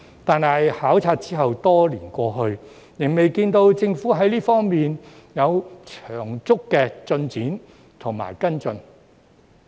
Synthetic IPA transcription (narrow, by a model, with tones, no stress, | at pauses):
t̪aː˨nha˨jhaː˨˥wt͡sʰaː˧t̚t͡siː˥ɦɐ˨wt̪ɔː˥liː˨˩nkʷɔː˧ɦɵ˧ɥ | jɪ˨˩ŋme˨jkiː˧nt̪o˧wt͡sɪ˧ŋfuː˨˥ɦɐ˨˥jliː˥fɔː˥ŋmiː˨n | jɐ˨˧wt͡ʃʰœː˨˩ŋt͡sʊ˥kːɛː˧t͡sɵ˧nt͡siː˨˥n | t̪ʰʊ˨˩ŋma̰ː˨˩jkɐ˥nt͡sɵ˧n